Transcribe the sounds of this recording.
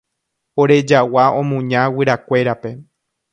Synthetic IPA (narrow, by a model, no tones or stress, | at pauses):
oɾe̞d͡ʒawaõmũɲãwɨɾakʷe̞ɾape̞